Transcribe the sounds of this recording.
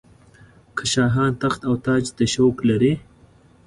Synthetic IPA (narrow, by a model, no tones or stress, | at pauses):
kʰəʃɑːɦɑːnt̪axt̪awt̪ɑːd͡ʒd̪əʃowklaɾe